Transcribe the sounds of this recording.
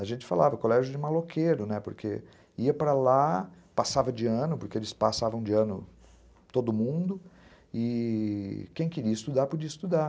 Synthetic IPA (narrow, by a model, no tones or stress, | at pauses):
aʒẽnt͡ʃɪ̥fa̰lavɐkolɛʒʊd͡ʒɪmalokʰeɾʊnɛpoɾkʰḛ | iɐpɾala | pasavɐd͡ʒɪɐ̃nʊpoɾkeelɪspasavɐ̃w̃d͡ʒɪɐ̃nʊ | t̪od̪ʊmũd̪ʊ | ɪ | kẽj̃keɾiɐist̪ud̪aɾpod͡ʒiɐist̪ud̪a